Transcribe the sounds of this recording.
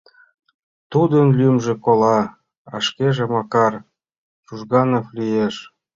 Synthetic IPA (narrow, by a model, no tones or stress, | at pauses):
t̪ud̪ənlymʒĕkolɑ | ɑʃkeʒemɑkɑr | ʃuʒɣɑnoflijeʃ